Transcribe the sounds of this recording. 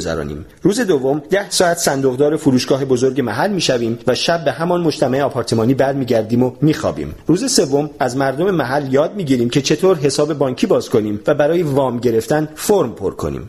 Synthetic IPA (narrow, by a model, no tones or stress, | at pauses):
zæ̰ɾɒ̰ːnḭːm | ɾuːze̞d̪o̞vːo̞md̪æhsɒːæt̪sænd̪o̞ɣd̪ɒːɾe̞fuɾuːʃɡ̥ɒːɦe̞bo̞zo̞ɾɟe̞mæɦælːmiːʃæviːmvæʃæb̚ːe̞ɦæmɒnmo̞d͡ʒt̪ʰæmæʔeɒːpʰɒːɾt̪ʰe̞mɒːniːbæɾmiːɟæɾd̪iːmomiːxɒ̰ːbḭːmɾuːze̞se̞vːo̞mæzmæɾd̪o̞memæɦælːjɒːd̪̚miːɟiːɾiːmcʰe̞t͡ʃʰe̞t̪ʰoːɾɦe̞sɒːbe̞bɒːŋɲcʰiːbɒːz̥kʰo̞niːmvæbæɾɒːjevɒːmɟe̞ɾe̞ft̪ænfoɾmpʰo̰ɾkʰo̞̰nḭːm